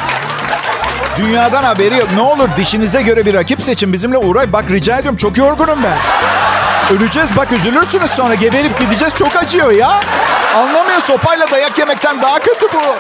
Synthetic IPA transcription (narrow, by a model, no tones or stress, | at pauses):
d̪ynjaːd̪anhabe̞ɾijonɛo̞lˠuɾd̪iʃinizɛɟø̞ɾɛbiɾacipse̞t͡ʃʰinbizimlʲɛuɾajbakɾid͡ʒaːjed̪ijomt͡ʃʰo̞kjo̞ɾɡunumbæn | ølʲyd͡ʒɛzbakøzylʲyɾsynyzso̞nɾaɟe̞ve̞ɾip̚ɟid̪id͡ʒɛz̥t͡ʃʰo̞kad͡ʒɯjo̞jaanlˠamɯjo̞so̞pajlˠad̪ajakje̞mɛc̚t̪ʰænd̪aɦacʰø̞t̪ʰybu